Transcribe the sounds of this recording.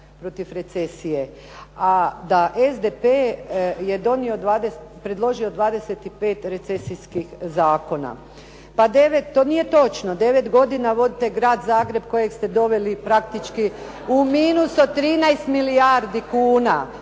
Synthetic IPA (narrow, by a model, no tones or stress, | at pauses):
pɾot̪ifɾe̞t̪se̞sije̞ | ad̪aʔezd̪epeje̞d̪o̞niod̪ʋaːd̪espɾed̪lˠo̞ʒiod̪ʋaːd̪e̞set̪ipe̞ːt̪ɾe̞t̪se̞sijskixzaːko̞na̰ | pad̪eʋet̪ːoːnije̞t̪o̞t͡ʃnod̪e̞ʋe̞t̪ɡo̞d̪inaʋo̞d̪it̪eɡɾaːd̪zaːɡɾe̞bko̞jekst̪e̞d̪o̞ʋe̞lipɾakt̪it͡ʃki | umiːnusot̪ɾiːnajst̪miliaɾd̪ikuːna